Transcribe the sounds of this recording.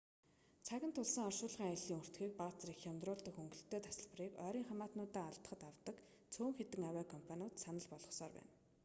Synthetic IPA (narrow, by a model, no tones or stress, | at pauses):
t͡sʰaɣʲɪ̆nt̪ʰʊɮsə̆ŋɔʃʊːɮʁiːŋajɮiːŋɵr̥t̪ɡiːk̚pat͡srixjamt̪rʊːɮt̪ə̆xɵŋɡɵ̆ɬt̪eːt̪ʰḁsə̆ɮp̆riːkœːɾiːŋχamaːt̪nʊːt̪æːaɮt̪ə̥̆χə̆t̪awt̪ə̆k | t͡sʰoːŋxet̪ɘ̆ŋawæːkʰɔmpʰanʲʊːt̪sanə̆ɮpɔɮʁɞ̆χsɔːrpæ̰ːn